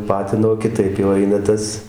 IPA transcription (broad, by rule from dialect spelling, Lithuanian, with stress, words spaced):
ˈpɑːtʲɪnoː kʲɪˈtɐɪp jɛʊ ˈɐɪnɐ ˈtɐs